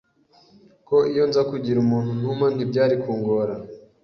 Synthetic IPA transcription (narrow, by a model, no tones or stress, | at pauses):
ko̞ijo̞nzakuɟiɾumuːn̥un̥uman̥ibɟaːɾikuːŋɡo̞ɾa